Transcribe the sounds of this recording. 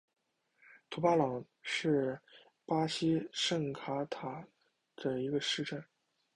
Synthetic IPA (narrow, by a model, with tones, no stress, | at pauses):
t̪ʰu˧˥pa˥lɑ˨˩ŋ | ʂɻ̩˥˩ | pa˥ɕi˥ʂə˥˩ŋkʰa˧˥t̪ʰa˨˩ | d̪̥ə˧i˧˥ɡə˧ʂɻ̩˥˧ʈ͡ʂə˥˩n